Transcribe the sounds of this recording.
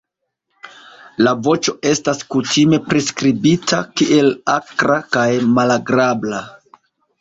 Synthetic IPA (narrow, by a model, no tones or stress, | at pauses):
lavo̞t͡ʃo̞e̞staskutʰime̞pɾeskɾibitʰakiʔe̞lakɾakajmalaɡɾabla